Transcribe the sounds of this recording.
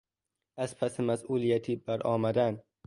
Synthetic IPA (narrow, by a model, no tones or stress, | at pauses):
æzpʰæsemæsʔuːlijæt̪ʰiːbæɾɒːmæd̪æn